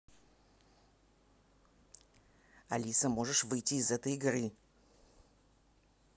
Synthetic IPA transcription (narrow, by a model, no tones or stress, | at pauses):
ɐ̰lʲisəmo̞ʐɨʂvɨjtʲiːzɛt̪əjɪɡrɨ